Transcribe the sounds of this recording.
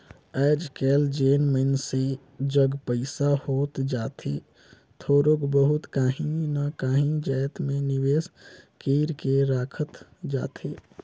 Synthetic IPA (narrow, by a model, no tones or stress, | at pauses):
ɛːd͡ʒkɛːld͡ʒeːnməɪnse | d͡ʒəɡpəɪsahoːt̪d͡ʒaːt̪ʰe | t̪ʰoːɾokbəɦʊt̪kaːɦĩnakaːɦĩd͡ʒəːjt̪mẽnɪweːskiːɾkeɾaːkʰət̪d͡ʒa̰ːt̪ʰeː